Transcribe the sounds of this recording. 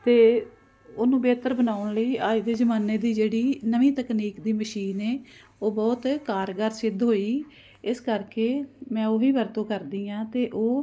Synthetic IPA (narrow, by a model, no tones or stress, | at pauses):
t̪eː | oːnũːbeːt̪əɾbənaːʊɳləiːaːiːd̪eːzəmaːneːd̪iːd͡ʒeːɽiːnəʋĩːt̪əkniːkd̪iːməʃiːneː | oːbɔːt̪kaːɾɡəɾsɪd̪ɦoːiː | ɪskəɾkeːmɛ̃ːoːʋiːbəɾt̪õːkəɾd̪iːãːt̪eːʔoː